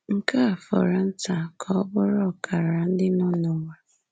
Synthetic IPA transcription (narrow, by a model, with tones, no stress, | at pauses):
ŋ̩˨ka˦a˨fɔ̰˨ɾa˨n̩˦ta˨kʰɔ˦bʊ˦ɾɔ˦˨kʰa˨ɾa˨n̩˦dɪ˦nʊ˦nʊ˨ŋʷa˨